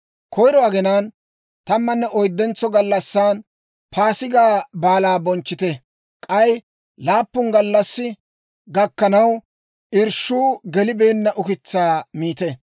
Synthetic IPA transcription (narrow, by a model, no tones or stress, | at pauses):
kʰɔjɾɔɐɡɛnaːn | t̪ɐmːɐnːɛʔɔjd̪ːɛnt͡sːɔɡɐlːɐsːaːn | pʰaːsɪɡaːbaːlaːbɔnt͡ʃːɪt̪ɛ | kʼɐj | laːpːʊnɡɐlːɐsːɪ | ɡɐkːɐnɐw | ʔɪɾʃuːɡɛlɪbeːnːɐʔʊkɪt͡sːaːmiːt̪ɛ